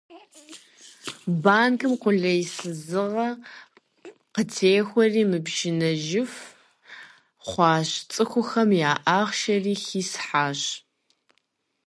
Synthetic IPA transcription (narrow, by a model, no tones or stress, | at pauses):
baːnkʰɨmqʷʊɮɐjsɨzɨʁɐ | qətʰeːxʷɔriːmɨbʃɪnɐʒɪf | χʷɑːɕt͡sʼɨxʷʊxɐmjaːʔaːχʃɐriːxiːsħaːɕ